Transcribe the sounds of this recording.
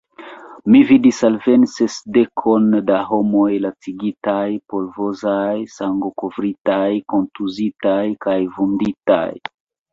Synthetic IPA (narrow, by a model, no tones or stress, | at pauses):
mividisalve̞nsesde̞kʰo̞ndaɦo̞mo̞jlat͡siɡitajpo̞lvozajsaŋɡokovɾitajko̞ntuzitajkajvundita̰j